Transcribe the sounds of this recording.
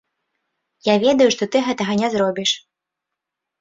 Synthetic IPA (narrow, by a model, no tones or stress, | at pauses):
javʲɛd̪ɐjuʂt̪ɔt̪ɨɣɛt̪ɐɣɐnʲɛzɾɔbʲiʂ